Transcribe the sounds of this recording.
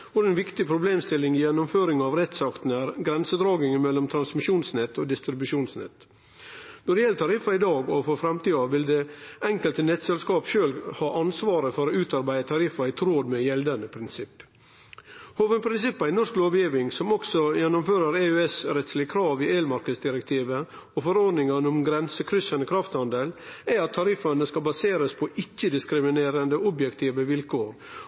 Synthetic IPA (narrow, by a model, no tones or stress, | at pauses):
ʋɔɾɛnʋɪkt̪ɪpʰɾʊbleːmst̪ɪlːɪŋɪjɛnːʊmføːɾɪŋɑːʋɾɛt̪sɑkt̪n̩æːɾɡɾɛnsəd̪ɾɑːɡɪŋɪmɛlːɔmt̪ʰɾɑnsmɪʃuːnsnɛt̪ːoːd̪ɪst̪ɾɪbʉʂuːnsnɛ̰t̪ː | nɔd̪ɛjɛlːət̪ʰɑɾɪfɑɪd̪ɑːɡɔfɔɾfɾɑmt̪iːɑʋɪld̪ɛɛŋkəlt̪ənɛt̪sɛlskɑːpʃøːlhɑːʔɑnsʋɑːɾəfɔɾoːʉːt̪ɑɾbæɪət̪ʰɑɾɪfɑɪt̪ʰɾoːd̪mɛjɛld̪ɑnəpʰɾɪnsɪpː | hoːʋənpʰɾɪnsɪpːɑɪnɔʂkloːʋjiːʋɪŋsɔmɔksɔjɛnːʊmføːɾəɾeʉɛsɾɛt̪slɪəkʰɾɑːʋɪeːlmɑɾkəd̪sd̪ɪɾɛk̚t̪ʰiːʋə | ɔfɔɾɔɾd̪nɪŋɑnʊmɡɾɛnsəkʰɾʏsɑnəkʰɾɑft̪hɑnd̪əlæɾɑt̪ʰːɑɾɪfɑnəskɑbɑseːɾəspʰɔʔɪkːəd̪ɪskɾɪmɪneːɾənd̪əʊbjɛkt̪ʰiːʋəʋɪlkʰoːɾ